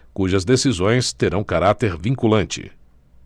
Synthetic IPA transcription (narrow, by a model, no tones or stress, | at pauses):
kuʒɐzd̪esizõj̃st̪eɾɐ̃w̃kaɾat̪eɾvĩŋkulɐ̃nt͡ʃɪ̰